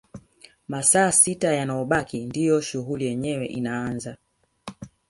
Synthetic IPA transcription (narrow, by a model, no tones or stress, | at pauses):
masaːsitajanajɔɓakindijɔʃuɦulijɛɲɛwɛʔinaanza